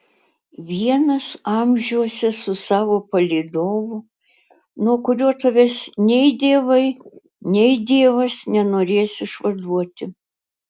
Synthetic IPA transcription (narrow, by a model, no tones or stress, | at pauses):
ʋʲiɛnɐsɑmʲʒʲuɔsʲɛsʊsɑːʋoːpɐlʲiːd̪oːʋʊ | nuɔkʊɾʲuɔt̪ɐʋʲɛsnʲɛɪd̪ʲeːʋɐɪ | nʲɛɪd̪ʲeːʋɐsnʲɛnoːɾʲeːsɪʃʋɐd̪uɔt̪ʲɪ